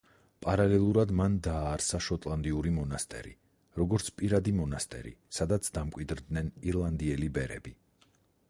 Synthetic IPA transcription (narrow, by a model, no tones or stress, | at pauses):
pʼaɾalɛlˠuɾad̪mand̪aːɾsaʃɔt̪ʼlˠand̪iuɾimɔnast̪ʼɛ̰ɾḭ | ɾɔɡɔɾt̪sʰpʼiɾad̪imɔnast̪ʼɛ̰ɾḭsad̪at̪sʰd̪amkʼwid̪ɾd̪nɛniɾlˠand̪iɛlibɛɾɛ̰bi